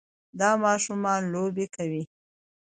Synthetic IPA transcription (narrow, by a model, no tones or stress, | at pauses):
d̪ɑmɑʃumɑnlobekawi